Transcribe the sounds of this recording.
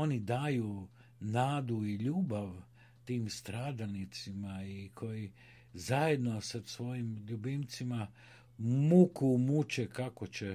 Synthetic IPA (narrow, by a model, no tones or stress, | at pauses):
onid̪aːju | naːd̪uiʎuːbaʋ | t̪iːmst̪ɾaːd̪alnit̪simaikʰo̞ji | zajed̪nosasʋo̞jimʎubint̪sima | mukumut͡ʃekakot͡ɕe